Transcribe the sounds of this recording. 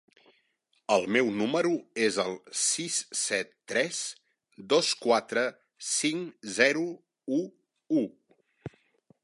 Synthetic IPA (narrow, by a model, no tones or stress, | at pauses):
əlˠmɛwnuməɾuezəlˠsissɛt̪ːɾɛz | d̪oskwat̪ɾə | siŋzɛɾu | u | u